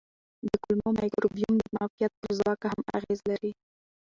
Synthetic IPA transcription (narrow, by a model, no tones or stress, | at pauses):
d̪əkʊlmomajkɾobijumd̪əmafijat̪̚pəɾzwɑkahama̰ɣezlaɾi